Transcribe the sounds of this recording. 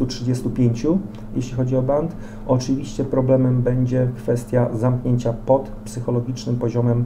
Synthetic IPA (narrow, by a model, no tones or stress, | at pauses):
utʂɘd͡ʑɛst̪upʲjeɲt͡ɕu | jeɕlʲixɔd͡ʑiɔbant̪ | ɔt͡ʂɘvʲiɕt͡ɕɛpɾɔblɛmɛmbɛɲd͡ʑɛkfɛst̪ʲjazamkɲeɲt͡ɕapɔt̪psɘxɔlɔɡʲit͡ʂnɘmpɔʑɔmɛm